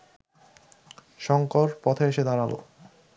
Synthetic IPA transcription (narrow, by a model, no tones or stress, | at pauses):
ʃɔŋkoɾpɔt̪ʰeeʃed̪aɾalʔo̰